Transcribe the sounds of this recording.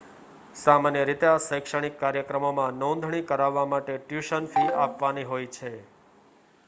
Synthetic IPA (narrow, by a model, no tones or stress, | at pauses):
samanjəɾit̪easəjkʃəɽ̃ikːaɾjəkɾəmomãnõnd̪ʱɳ̃ikəɾaʋːamaʈeʈjuʃənfiapʋaniɦojt͡ʃʰe